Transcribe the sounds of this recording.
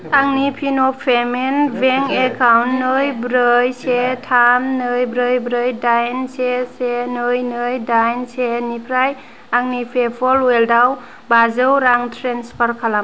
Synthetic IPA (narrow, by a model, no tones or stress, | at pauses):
aŋnipʰinɔppʰːemenbeŋekʰawnːɯjbɾɯjsetʰamːɯjbɾɯjbɾɯjdajnsesenɯjnɯjdajnsenipʰɾaj | aŋnipʰepʰɔlweldaw | bazəwɾaŋtʰɾenspʰəɾkʰalam